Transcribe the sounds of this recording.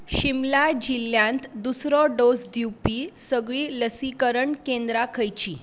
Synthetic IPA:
ɕimlad͡ʑiljãnt̪d̪usɾɔɖosd̪iwpiːsəɡɭiːləsikəɾəɳkẽnd̪ɾakʰəjt͡ɕiː

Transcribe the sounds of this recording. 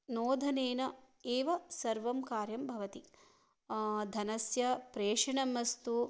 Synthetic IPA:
noːd̪ʱɐneːnɐ | eːʋɐsɐɾʋɐmkaːɾjɐmbʱɐʋɐt̪i | d̪ʱɐnɐsjɐpɾeːʂɐɳɐmɐst̪u

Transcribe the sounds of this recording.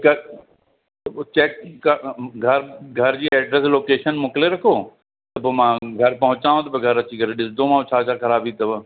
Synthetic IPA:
kɐ | t͡ɕɛːkː | ɡʱɐɾɡʱɐɾd͡ʑiːɛːɖɾɛs̬loːkeːʃənmʊkleɾɐkʰoː | t̪ɐpoːmãːɡʱɐɾpɐɦʊ̃t͡ɕaːʋõt̪ɐbeɡʱɐɾɐt͡ɕikɐɾeɗɪsd̪omãːt͡ɕʰaːt͡ɕʰakɐɾaːbiːt̪ɐb

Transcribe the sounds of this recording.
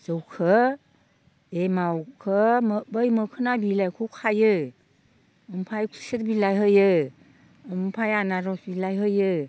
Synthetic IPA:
z̥ɔwkʰɯ | emawkʰɯmbəjmɯkʰɯnabilajkʰuwkʰajɯ | ɯmpʰajkʰu̥siɾbilajɦɯjɯ | ɯmpʰajanaɾɔsbilajɦɯjɯ

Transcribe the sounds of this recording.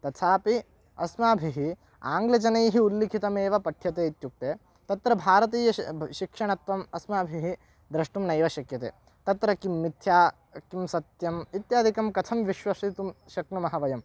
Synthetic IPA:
t̪ɐt̪ʰaːpi | ɐ̰smaːbʱiɦi | aːŋɡlɐt͡ʃɐnɐjɦiulːikʰit̪ɐmeːʋɐpɐʈʰjɐt̪eːit̪juk̚t̪eː | t̪ɐt̪ɾɐbʱaːɾɐt̪iːjɐʃikʂɐɳɐt̪ʋɐmɐsmaːbʱiɦi | d̪ɾɐʂʈumnɐjʋɐʃɐkjɐt̪ḛː | t̪ɐt̪ɾɐkimːit̪ʰjaː | kimsɐt̪jɐmit̪jaːd̪ʱikɐmkɐt̪ʰɐmʋiʃʋɐʂit̪umʃɐknumɐɦɐʋɐjɐm

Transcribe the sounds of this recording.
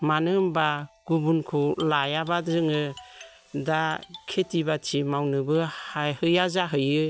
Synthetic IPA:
manɯmbaɡ̥ubunkʰulajabazɯŋɯ | dakʰetibatʰimawnɯbɯhajhɯjazaɦɯjɯ

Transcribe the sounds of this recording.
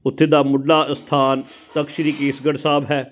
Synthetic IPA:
ʊt̪ʰːeːd̪aːmʊɖlaːst̪ʰaːn | t̪əkʃɾiːkeːsɡəɽsaːbɦɛː

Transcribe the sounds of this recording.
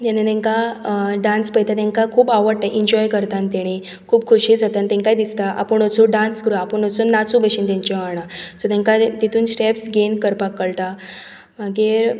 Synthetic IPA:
t̪anet̪ẽŋkaɖanspəjt̪at̪ẽŋkakʰuːbaʋəɾʈ̪aʔiɲd͡ʑɔjkəɾt̪ant̪ɛɽ̃i | kʰuːbkʰuɕiːd͡zat̪ant̪ɛ̃ŋkajd̪ist̪aʔa̰pəɳət͡sũɖãnskɾuaapəɳət͡suːnnːat͡sũbəɕiːnt̪aɲt͡ɕeʋaɽ̃at͡sɔt̪ẽŋkat̪it̪ʰuːnɕʈepsɡenkəɾpakːəɭʈa | m̤aɡiːɾ

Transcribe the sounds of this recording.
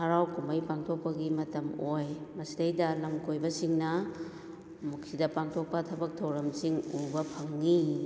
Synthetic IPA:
haɾawkumɐjpaŋtʰok̚pɐɡimɐtɐmojmɐsidɐjdɐlɐmkojbɐsiŋnɐ | mukʰsidɐpaŋtʰok̚pɐtʰɐbɐk̚tʰɐwɾɐmsiŋubɐpʰɐŋːi

